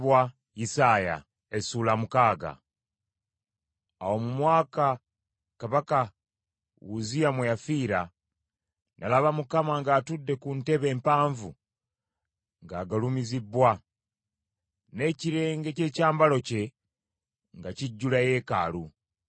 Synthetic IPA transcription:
βwa | isaːja̰ | esuːlamukaːɡa̰ | awo̞mumwaːka | kaβaka | wuzijamwejafiːɾa | nʔa̰laβamukamaŋɡaːtudːe̞kunte̞βe̞ːmpaːɱvu | ŋɡaːɡalumizibwa | ne̞ciɾe̞ːŋɡe̞ce̞ːcaːmbalo̞ce̞ | ŋɡaciɟːulaje̞ːkaːlu

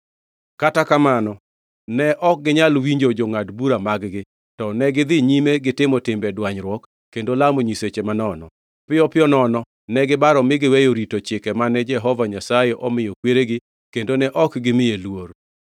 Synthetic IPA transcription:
katakamanɔ | nɛʔɔk̚ɡɪɲalwiɲd͡ʒod͡ʒoŋadbuɾamaɡɡɪ | tɔnɛɡɪd̪ɪɲimeɡɪtɪmɔtɪmbɛdwaɲɾwɔkː | kːendolamoɲiset͡ʃemanɔnɔ | pɪjɔpɪjɔnɔnɔ | nɛɡɪbaɾɔmɪɡɪwejoɾitot͡ʃɪkɛmanɛd͡ʒɛɦɔvaɲasajeʔɔmɪjokweɾeɡɪ | kendonɛʔɔkɡɪmɪjelwor

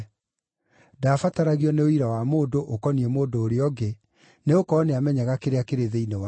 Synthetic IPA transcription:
dafataɾaɣiɔneoiɾawamoːdoʔokɔniɛmoːdoːɾeɔɡe | neokɔːneamɛɲaɣakeɾeakeɾeðeinewa

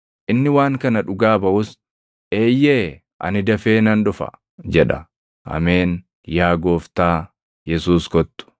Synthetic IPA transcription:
ʔɪnːɪwaːŋkɐnɐᶑʊɡaːbɐʔʊs | ʔe̞ːjːeː | ʔɐ̰nɪd̪ɐfe̞ːnɐnᶑʊfɐ̰ | d͡ʒɛᶑɐ̰ | ʔɐ̰me̞ːn | jaːɡo̞ːft̪aː | jɛsuːskɔt̪ːʊ̥

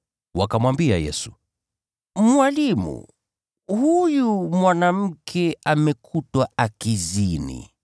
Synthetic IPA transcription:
wakamwambiajɛ̰su̥ | mwalimṵ | hujumwanam̩kʰɛʔamɛkʰutwaakizinḭ

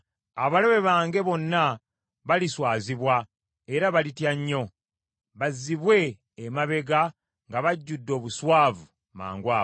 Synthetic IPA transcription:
aβaleβe̞βaːŋɡe̞βo̞nːa | βaliswaːziβwa | e̞ɾaβalitjaɲːo̞ | βazːiβwe̞ː | maβe̞ɡa | ŋɡaβaɟːudːo̞ːβuswaːvu | ma̰ːŋɡwaː

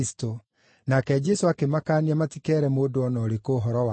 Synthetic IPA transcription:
si̥to | nakɛd͡ʒɛsoakemakaːniɛmatikɛːɾɛmoːdoɔnɔːɾekoːɦɔɾɔwa

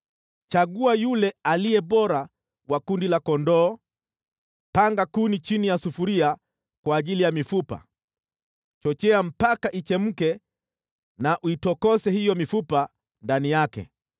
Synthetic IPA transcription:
t͡ʃaɠuajulɛaliɛɓɔɾa | wakundilakɔndɔː | paŋɡakunit͡ʃinijasufuɾia | kwaːʄilijamifupa̰ | t͡ʃɔt͡ʃɛam̩pakaʔit͡ʃɛm̩kɛ | naʔuitɔkɔsɛhijɔmifupa | ndanijakɛ̰

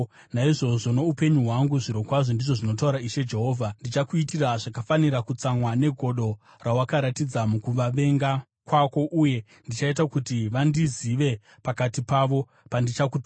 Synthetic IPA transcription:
naiʐo̞ʐo̞no̞upe̞ɲuɦwaŋɡuʐiɾo̞kwaʐo̞ndiʐo̞ʐino̞t̬auɾaiʃe̞d͡ʒe̞ɦo̞ːvʱandit͡ʃakuitiraʐakafaniɾakut͡samwane̞ɡʱo̞ɗo̞ | rawakaɾatid͡zamukuʋaʋe̞ŋɡa | kwako̞ʔuje̞ | ndit͡ʃait̬akutiʋandiziʋe̞ | pakatipaʋo̞ | pandit͡ʃakut

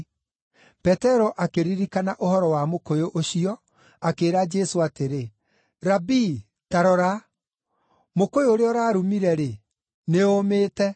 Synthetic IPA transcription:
pɛtɛɾɔʔakeɾiɾikanaʔohɔɾɔwamokojoʔoɕiɔ | akeːɾad͡ʒɛsoateɾe | ɾabi | taɾɔɾa | mokojooɾeɔɾaːɾumiɾɛɾe | neomeːtɛ

